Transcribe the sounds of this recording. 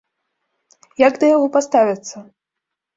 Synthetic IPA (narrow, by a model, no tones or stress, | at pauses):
jaɡd̪ɐjaɣɔpast̪avʲɐt̪sːɐ